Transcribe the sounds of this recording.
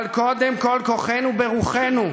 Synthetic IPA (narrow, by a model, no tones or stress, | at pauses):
lkod̪emkolkoχenubeʁuχenu